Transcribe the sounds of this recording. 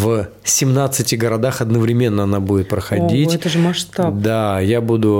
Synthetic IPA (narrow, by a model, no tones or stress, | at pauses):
v | sʲɪmnat̪sɨtʲɪɡəɾɐd̪axɐd̪nəvɾʲɪmʲe̞nːəɐnabudʲɪt̪̚pɾəxɐdʲitʲɛt̪əʐɨmɐʂt̪ad̪ajabud̪ʊ